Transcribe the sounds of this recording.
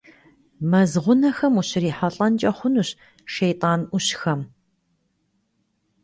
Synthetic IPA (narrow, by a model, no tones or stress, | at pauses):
mɐzʁʷʊnɐxɐmuɕɪɾiːħɐɬʼɐnt͡ʃʼɐχʷʊnuːɕ | ʃejtʼaːnuɕxɐm